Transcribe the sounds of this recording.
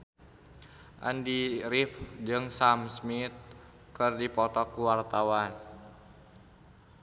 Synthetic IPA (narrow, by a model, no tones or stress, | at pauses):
ʔa̰ndiɾifd͡ʒɨŋsamsmit̪̚ | kɨrdipɔt̪ɔkːuwart̪awan